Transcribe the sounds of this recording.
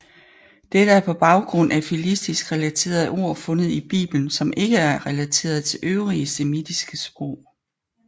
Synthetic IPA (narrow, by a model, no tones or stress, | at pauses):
d̥eɾ̥əæɐpʰɒ̽b̥ɑ̈ʊɡ̥ʁɔ̽n̰ʔæfilisd̥isɡ̥ʁɛlæt͡sʰe̝̰ːɐðˠo̝ɐ̰fɔ̽nəð̞̩ˠib̥ḭːb̥ln̩sɒ̽mʔe̝ɡ̥əæɐʁɛlæt͡sʰe̝̰ːɐð̩ˠt͡sʰe̝lʔøʊʁiəsemid̥isɡ̥əsb̥ʁɔʊ̰